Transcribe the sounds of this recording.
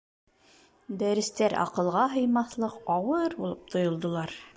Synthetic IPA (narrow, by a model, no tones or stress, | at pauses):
d̪æɾɘ̆st̪æɾɑ̰qɤ̆lˠʁɑɦɤ̆jmɑθlˠɤqɑwɤɾbulˠɤp̚t̪ʰŏjŏlˠd̪ŏlˠɑɾ